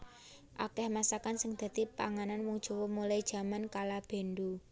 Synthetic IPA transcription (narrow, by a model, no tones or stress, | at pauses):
ʔakɛhmasakansɪŋd̪̥ä̤t̪ipa̰ŋananwuŋd̥ʒ̥o̤womulaid̥ʒ̥a̤mankalab̥e̤nd̪u